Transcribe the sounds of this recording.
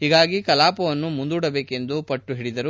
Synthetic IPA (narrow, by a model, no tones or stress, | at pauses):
ɦiːɡaːɡikɐlaːpɐʋɐnːumund̪uːɽɐbeːke̞nd̪upɐʈːuɦiɽid̪ɐɾu